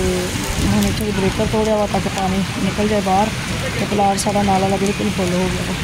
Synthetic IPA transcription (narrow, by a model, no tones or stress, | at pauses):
e | ɦəneːt͡ʃʰaʋiːbɾeːkəɾt̪oːɽjaːʋaːt̪aːkɪpaːniːnɪkəld͡ʒaːiːbaːɾ | t̪eːpəlaːɽsaːɖaːnaːlaləɡliːkɪlbʰolɦoːɡɪaːɡoː